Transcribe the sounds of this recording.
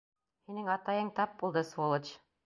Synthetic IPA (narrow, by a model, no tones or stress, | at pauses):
hinɘŋɑt̪ɑjɤɴt̪ɑp̚bulˠd̪ɤswolˠɤt͡ɕ